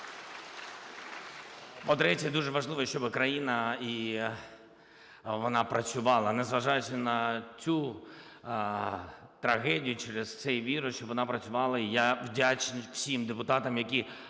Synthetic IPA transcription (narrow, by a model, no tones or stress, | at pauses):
pɔd̪ɾɛtʲɐd̪uʒɛʋɐʒlˠɪʋɔʃt͡ʃɔbɪkɾɐjinɐi | ʋɔnɑpɾɐt͡sʲʊʋɑlˠɐnɛzʋɐʒɑjʊt͡ʃʲɐnɐt͡sʲu | t̪ɾɐɣɛdʲijʊt͡ʃɛɾɪzt̪sɛjʋʲiɾɔʃt͡ʃɔbʋɔnɑpɾɐt͡sʲʊʋɑlˠɐijawdʲat͡ʃnʲiwsʲimd̪epʊt̪ɑt̪ɐmjɐki